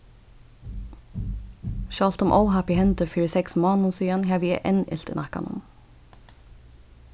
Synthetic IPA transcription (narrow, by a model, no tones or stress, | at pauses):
ʃɑːlt̪ʊmʔo̰ʊhæpɪhɛnt̪əfyːɹəsɛksmɑːnʊnsyːɑnhæːʋiːḛʔɛnɪ̰lt̪nʔɑkɑ̰nʊ̰m